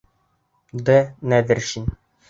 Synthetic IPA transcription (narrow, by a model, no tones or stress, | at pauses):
d̪ɘ̆næðɘ̆ɾʃin